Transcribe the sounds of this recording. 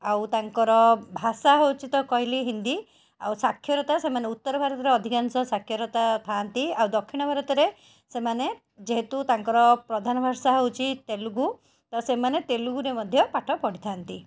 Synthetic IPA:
awt̪aŋkɔɾɔbʱasaɦewt͡ʃit̪ɔkɔɦjliɦind̪i | a̰wsakʰːjɔɾɔt̪asemaneut̪ːɔɾɔbʱaɾɔt̪ɔɾeɔd̪ʱikansɔsakʰjɔɾɔt̪at̪ʰant̪iawd̪ɔkʰːiɽ̃ɔbʱaɾɔt̪ɔɾe | semane | d͡ʒeɦet̪ut̪aŋkɔɾɔpɾɔd̪ʱanɔbʱasaɦewt͡ʃʰit̪eluɡu | t̪ɔsemanet̪eluɡuɾemɔd̪ʱjɔpaʈʰɔpɔɽit̪ʰant̪i

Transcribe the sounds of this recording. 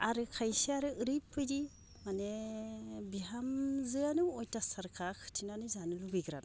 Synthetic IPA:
aɾɯkʰajsiaɾɯɯɾipʰːɯjdi | mane | biɦamzɯanujtasaɾkʰakʰɯ̥tʰinanɯzanɯlubiɡɾa̰n

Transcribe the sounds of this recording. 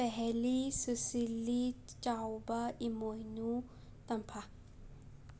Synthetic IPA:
ɛɦɛlisɨsilit͡ʃawbaimojnu | t̪ɐmpʰa

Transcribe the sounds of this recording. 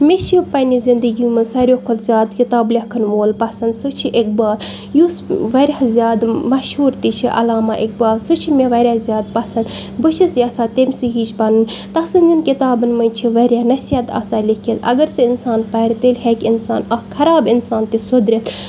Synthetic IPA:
mʲet͡ʃʰipɐnizind̪əɡʲijũmɨsɐɾʲokʰot̪zʲjaːd̪kit̪aːblʲɐkʰənʋoːlpɐsɐnd̪sɨt͡ʃʰiʔek̚baːl | jusʋɐɾʲazʲjaːd̪mɐʃhuːɾt̪it͡ʃʰiʔɐ̰laːmaʔek̚baːlsɨt͡ʃʰimeʋɐɾʲjaːzʲjaːd̪̚pɐsɐnd̪ | bɨt͡ʃʰisjaːsaːt̪emʲsiɦiːt͡ʃʰpɐnɨnʲt̪ɐsɨnʲzinkit̪aːbɨnmɐt͡ʃʰiʋɐɾʲjanɐsijɐt̪a̰ːsaːlikʰilɐ̰ɡɐɾsɨinsaːnpɐɾʲt̪elʲɦekʲɪnsaːnɐkʰɐɾaːbinsaːnt̪isod̪ɾʲet̪

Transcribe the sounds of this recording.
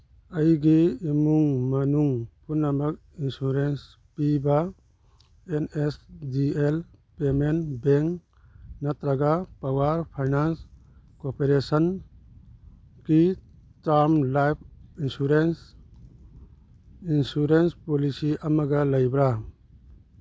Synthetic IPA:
əjɡiːmuŋmɐnuŋpʰunːamɐk̚ | insuɾens | piba | enesdielpemenbeŋk | nat̪ɾaɡapawaɾpʰajnans | kopeɾesən | ki | taɾmlajp̚ʰinsuɾens | insuɾenspolisiʔɐmɐɡɐlɐjbɾa

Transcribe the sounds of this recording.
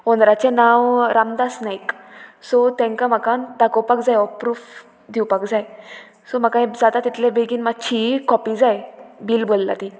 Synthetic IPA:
onɾat͡ɕenawɾamd̪asnajksɔt̪ɛ̃ŋkam̤akant̪akowpakd͡zajɔpɾuːf | d̪ʱiwpakd͡zaj | sɔmakãjd͡zat̪at̪it̪lebeɡiːnmat͡ɕʰikɔpid͡zajbilbolːa̰t̪i

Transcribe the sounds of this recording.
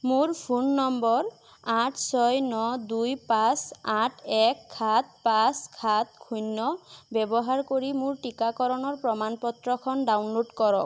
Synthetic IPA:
mʊɹpʰunːɔmbɔɹ | aʈʰsɔjnɔdujpasaʈʰɛkʰːat̪̚paskʰat̪̚kʰujnːɔbɛbɔɦaɹkoɹimʊɹʈikakɔɹɔnɔɹpɹɔmanpɔt̪ɹɔkʰɔnɖawnloʈkɔɹɔk

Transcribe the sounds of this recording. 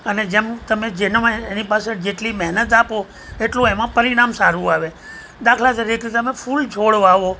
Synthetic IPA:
əned͡ʒemt̪əmẽd͡ʒenãenipased͡ʒeʈlimɛɦnət̪apo | eʈlõemãpəɾiɽ̃amsaɾũaʋe | d̪akʰlaseɾekɾit̪əmẽfult͡ʃʰoɽʋaʋo

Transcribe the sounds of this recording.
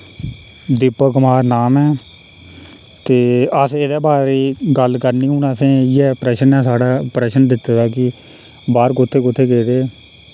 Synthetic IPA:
d̪ɪpːəkʊmaːɾnaːmɛː | t̪eːəseed̪ɛːbaːɾiːɡəlkəɾniːɦuːnaːsẽːiːɛːpɾɛːʃənɛːsaːɽaːpɾɛːʃənd̪ɪt̪ːaːd̪aːkɪ | baːɾkʊt̪ʰːeːkʊt̪ʰːeːkeːɾeː

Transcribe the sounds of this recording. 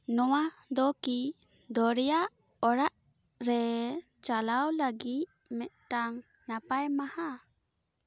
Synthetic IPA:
nɔwad̪ɔki | d̪ɔɾɛjaʔ | ɔɾaʔ | ɾɛ | t͡ʃalawlaɡit̪̚mɛʔ̪̚t̪aŋ | napajmaha

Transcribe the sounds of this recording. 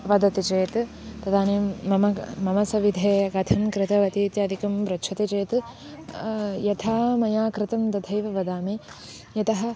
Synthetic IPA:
ʋɐd̪ɐt̪it͡ʃeːt̪ | t̪ɐd̪aːneːmɐmɐmɐmɐsɐʋid̪ʱeːkɐt̪ʰɐmkɾɪt̪ɐʋɐt̪iːt̪jɐːd̪ʱikɐmʋɾɐʃʰɐt̪it͡ʃeːt̪ | jɐt̪ʰaːmɐjaːkɾɪt̪ɐmd̪ɐd̪ʱɐjʋɐʋɐd̪aːmi | jɐt̪ɐɦɐ̆

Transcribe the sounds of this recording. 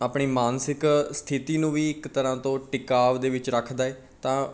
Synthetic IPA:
aːpɳiːmaːnsɪkst̪ʰɪt̪iːnũːʋiːɪkt̪əɾãːt̪õːʈɪkaːʋd̪eːʋɪt͡ʃɾəkʰd̪aːɛː | t̪ãː

